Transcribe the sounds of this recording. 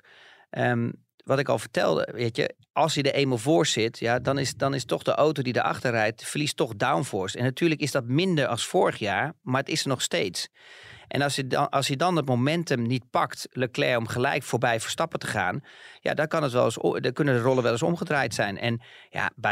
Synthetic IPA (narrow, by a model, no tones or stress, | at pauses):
ʔəm | ʋɔtɪkɔ̰lˠvəɹtɛ̰lˠdə̰ʋeːtjə̰ | ɑlˠsjədəʔeməlˠvʊːɹsɪtjadɑnɪsdɑnɪstɔxdəʔowtodidəʔɑ̰xtərɛjtfərlistɔχdawnfɔːɹstɛnːatʰyːləkɪsdɔt̚mɪndəɹɑlˠsfoːɹəχjaːɹmaɹətɪsənɔχsteːtsʔɛ̰nɑsjəɑlˠsjədɑnətmomɛntəmnit̚pɑktləklɛɹɔmχəlɛ̰jkfoːɹbɛjfəɹstɑpətə̥χa̰ːnja̰dɔkɑnətʋɛlˠəskønəndərɔlˠənʋɛlˠəsɔ̰mχədraːjtsɛjnʔɛ̰n | ja̰b